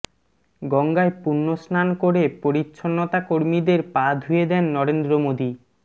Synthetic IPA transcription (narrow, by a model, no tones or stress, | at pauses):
ɡɔŋɡaepunːosnankoɾepoɾit̪ːʃʰonːot̪akoɾmid̪eɾpad̪ʱɦujed̪ɛnːɔɾend̪ɾomod̪i